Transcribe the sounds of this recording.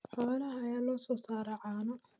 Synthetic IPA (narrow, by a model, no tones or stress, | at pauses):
ħɔːlɐɦɐːjaːlɔːsɔːsaːɾɐʕɑːnɔ